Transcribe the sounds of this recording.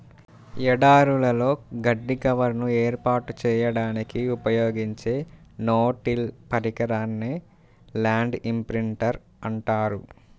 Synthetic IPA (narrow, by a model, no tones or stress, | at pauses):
ɛɽaːɾulɐlo̞ːɡɐɖːikɐʋɐɾnueːɾpaːʈut͡ʃɛːjɐɽaːnikiupɐjoːɡiɲt͡ʃe̞ːnoːʈilpɐɾikɐɾaːnːeː | laːɳɖimpɾiɳʈɐɾ | ɐɳʈaːɾu